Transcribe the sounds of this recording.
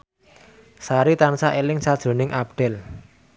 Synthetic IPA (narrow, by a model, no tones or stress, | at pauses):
saɾit̪ansaʔelɪŋsad̥ʒ̥o̤nɪŋʔab̚ɖ̥ɛl